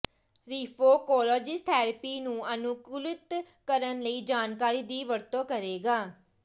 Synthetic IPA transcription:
ɾiːpʰoːkoːlɔːd͡ʒɪst̪ʰɛːɾpiːnũːənʊkuːlɪt̪ | kəɾənləiːd͡ʒaːnkaːɾiːd̪iːʋəɾt̪õːkəɾeːɡaː

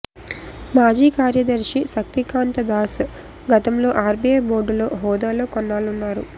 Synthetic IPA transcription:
maːd͡ʒiːkaːɾjɐd̪ɐɾʂisɐk̚t̪ikaːnt̪ɐd̪aːs | ɡɐt̪ɐmlo̞ːʔaːɾbieːboːɾɖulo̞̰ːɦɔːd̪aːloːkɔnːaːlunːaːɾṵ

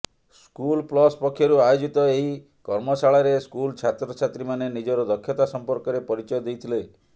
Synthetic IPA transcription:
skulplɔspɔkʰːjɔɾuajod͡ʒit̪ɔeɦi | kɔɾmɔsaɭaɾeskult͡ʃʰat̪ɾɔt͡ʃʰat̪ɾimanenid͡ʒɔɾɔd̪ɔkʰːjɔt̪asɔmpɔɾkɔɾepɔɾit͡ʃɔjɔd̪ejt̪ʰile

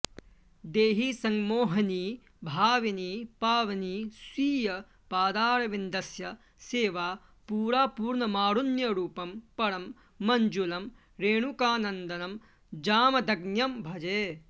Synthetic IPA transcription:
d̪eːɦisɐŋmoːɦɐniː | bʱaːʋiniːpaːʋɐniːsʋiːjɐ | paːd̪aːɾɐʋind̪ɐsjɐ | seːʋaː | puːɾaːpuːɾɳɐmaːɾunjɐɾuːpɐmpɐɾɐmː | ɐɲd͡ʒulɐm | ɾeːɳukaːnɐnd̪ɐnɐm | d͡ʒaːmɐd̪ɐɡnjɐmbʱɐd͡ʒeː

